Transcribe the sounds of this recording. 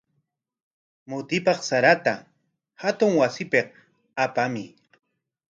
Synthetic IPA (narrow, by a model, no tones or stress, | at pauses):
mʊt̪ɪpɑχsaɾat̪a | hat̪ʊŋwasɪpeq | apamɪ